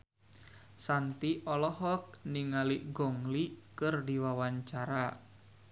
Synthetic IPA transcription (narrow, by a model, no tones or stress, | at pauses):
sant̪iʔɔlɔɦɔk̚niŋaliɡɔŋlikɨrdiwawaɲt͡ʃaɾa